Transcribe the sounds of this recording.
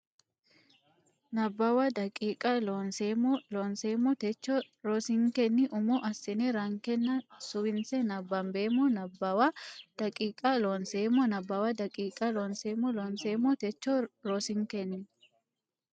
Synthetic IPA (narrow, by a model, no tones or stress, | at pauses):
nɐbːɐwɐd̪ɐkʼiːkʼɐlonsemloːnseːmːɔt̪ɛt͡ʃːo | ɾɔsɪŋkɛnːɪʔʊmuʔɐsɪnɛɾɐŋkɛnːɐsʊwɪnsɛnɐbːɐmbeːmɔnɐbːɐwad̪̥ɐkʼiːkʼɐloːnseːmɔnɐbːɐwɐd̪ɐkʼiːkʼɐloːnseːmːɔloːnseːmːɔt̪ɛt͡ʃːoɾosɪŋkɛnːɪ